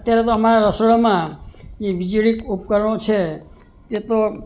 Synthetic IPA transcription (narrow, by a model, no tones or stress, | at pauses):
ət̪jaɾet̪oəmaɾaɾəsoɭmãd͡ʒeʋid͡ʒiɭikupkəɾəɽ̃ot͡ʃʰe | t̪et̪o